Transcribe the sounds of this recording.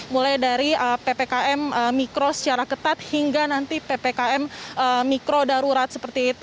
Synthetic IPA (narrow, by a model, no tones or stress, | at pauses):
mulajdaɾiəpepekaʔɛməmikɾosə̥t͡ʃaɾakət̪at̪̚hiŋɡanant̪ipepekaɛməmːikɾodaɾuɾat̪̚səpərt̪iːt̪u